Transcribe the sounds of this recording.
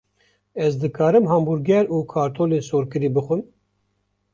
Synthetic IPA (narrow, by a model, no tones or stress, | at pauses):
ɛzd̪ɨkʰɑːɾɨmɦɑːmbuɾɡɛɾuːkʰɑːɾt̪ʰoːleːsoːɾkɨɾiːbɨxʷɨm